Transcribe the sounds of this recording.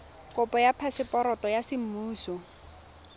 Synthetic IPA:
kʼʊpʼɔjapʰasɪpʼɔɾɔtʼɔjasɪm̩muːsɔ

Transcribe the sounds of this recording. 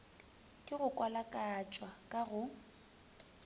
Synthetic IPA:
kʼɪɣʊkʼwalakʼat͡ʃʼwakʼaɣʊ

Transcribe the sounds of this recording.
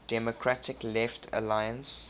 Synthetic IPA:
d̥ɛmokʰɹatɪklɛftʰə̰lajə̃ns

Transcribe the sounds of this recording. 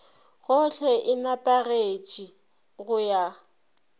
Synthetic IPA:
ɣʊɬʰɛʔɪnapʼaret͡ʃʼi | ɣʊja

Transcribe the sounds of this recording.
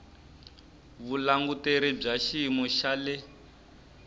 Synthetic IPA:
βulaŋɡuteɾib͡ʐaʃimɔʃalɛ

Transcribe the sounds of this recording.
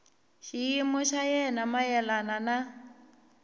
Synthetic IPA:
ʃiimɔʃajɛnamajɛlanana

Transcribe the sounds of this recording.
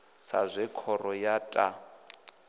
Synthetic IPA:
sa̰zʷɛkʰɔrɔjatʼa

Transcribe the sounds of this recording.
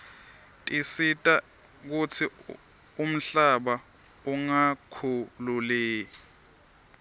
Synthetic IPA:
tʼisitʼa | k̬ut͡sʰi | um̩ɬaɓa | uŋakʰululeː

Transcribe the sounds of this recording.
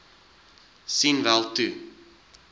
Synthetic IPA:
sinvælˠtu

